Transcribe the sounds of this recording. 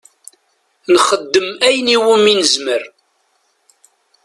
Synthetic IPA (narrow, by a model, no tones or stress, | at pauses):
nχəd̪ːəmæjniwəminəzməɾ